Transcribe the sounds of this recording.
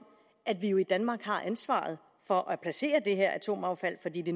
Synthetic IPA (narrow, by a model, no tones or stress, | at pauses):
ʔæd̥ʋijo̝id̥ænmɑ̈ːɡ̥hɑ̈ʔænsʋɑ̰̈ːð̞̩ˠ | fɒ̽ʔɒpʰlæse̝̰ːɐd̥e̝ɦeɐ̰ʔæt͡sʰo̝̰ːmɑ̈ʊfæl̰fɒ̽dḭːd̥e̝